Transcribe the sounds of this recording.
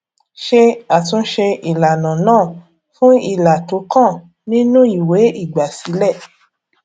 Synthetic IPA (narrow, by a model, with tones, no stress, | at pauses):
ʃe˧a˨tũ˧˦ʃe˧i˨la˨nã˨nãː˦˨ | fũ˦i˦˨la˨to˨˦kã˦˨ | nĩ˦nũ˦i˦˨we˨˦i˦˨ɡ͡ba˨si˨˦lɛ˦˨